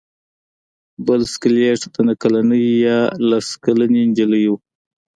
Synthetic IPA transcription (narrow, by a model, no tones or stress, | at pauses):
bəlskleʈt̪anakalanəjjɑlaskalənind͡ʒələjuw